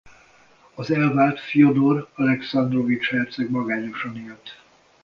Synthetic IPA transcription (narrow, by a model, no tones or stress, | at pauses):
ɒzɛlvaːlt̪fijod̪orɒlɛksɒnd̪rovit͡ʃhɛrt̪sɛɡmɒɡaːɲoʃɒnilt̪ː